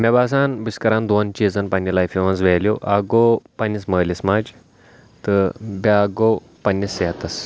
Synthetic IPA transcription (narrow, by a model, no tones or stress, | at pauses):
mebaːs̬aːnbɨskɐɾand̪ont͡ʃiːzɐnpɐnʲːilajfiʋɐns̬ʋeːljoʔaɡopɐnʲismɐːlʲismaːd͡ʒ | t̪ɨbʲaːɡo | pɐnʲːiseːt̪ɐs